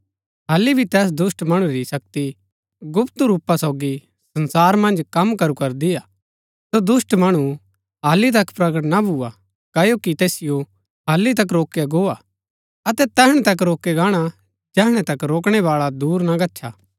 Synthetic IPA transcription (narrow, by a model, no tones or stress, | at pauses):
ɦaːlːibʱit̪ɛːs̬d̪ʊsʈmɐɽ̃ũɾisɐk̚t̪i | ɡʊpt̪uɾuːpasoːɡi | sɐ̃nsaːɾmɐ̃nd͡ʒkɐmkɐɾukɐɾd̪ija | sod̪ʊsʈmɐɽ̃u | ɦaːlːit̪̬ɐkpɾɐɡəʈnabʱua | kɐjokit̪eːsɪjo | ɦaːlːit̪ɐk̬ɾoːkjaɡoːa | ɐt̪ɛt̪ɛːɦɽ̃ɛ̃t̪ɐk̬ɾoːkeɡaːɽ̃a | d͡ʒɛːɦɽ̃ɛ̃t̪ɐkɾoːk̬ɽ̃ɛʋaːɭad̪uːɾnaɡɐtːʃʰa̰ː